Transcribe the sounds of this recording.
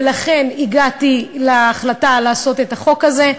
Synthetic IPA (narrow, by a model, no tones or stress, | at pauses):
laχe̞niɡatileːχlatalaːso̞t̪et̪aχo̞kaze̞